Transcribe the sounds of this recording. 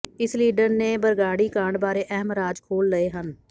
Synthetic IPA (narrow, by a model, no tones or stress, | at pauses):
ɪsliːɖəɾneːbəɾɡaːɽiːkãːɳɖbaːɾeːʔɛɦəmɾaːd͡ʒkʰoːlːəeːɦən